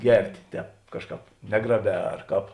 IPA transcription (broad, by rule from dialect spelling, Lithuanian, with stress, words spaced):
ˈɡʲɛrʲtʲeː ˈtʲɛːp ˈkɑːʃˌkɑːp ˈnʲæːɡrɐˌbʲɛː ɐrˈkɑːp